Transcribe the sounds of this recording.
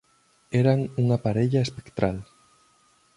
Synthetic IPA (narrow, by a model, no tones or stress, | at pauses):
eɾaŋuŋapaɾeʎaespe̥kt̪ɾal